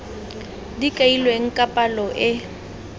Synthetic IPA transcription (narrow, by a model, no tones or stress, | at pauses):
dikʼailweŋ̩kʼapʼalɔʔɪ